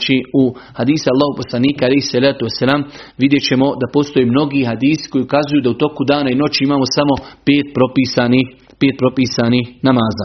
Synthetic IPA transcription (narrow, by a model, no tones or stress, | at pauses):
t͡ʃiuhad̪iːsaalːaːhopo̞slˠaniːkaalejhsalaːt̪uesːalaːmʋid̪je̞t͡ɕe̞mo̞d̪apo̞st̪o̞jeːmno̞ɡiɦad̪iːsi̥ko̞jiukazujuːd̪aut̪o̞kud̪aːnaino̞t͡ʃiimaːmo̞samo̞peːt̪̚pɾo̞piːsaːnih | peːt̪̚pɾo̞piːsanihnamaːzaː